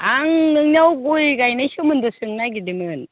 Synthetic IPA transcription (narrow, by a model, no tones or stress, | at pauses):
aŋnɯŋniawɡujɡajnajsɔmɯndɔsɯŋnajɡidimɯn